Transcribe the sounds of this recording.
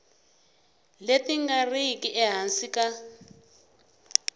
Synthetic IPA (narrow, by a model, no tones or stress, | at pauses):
letiŋɡariikiʔɛɦansika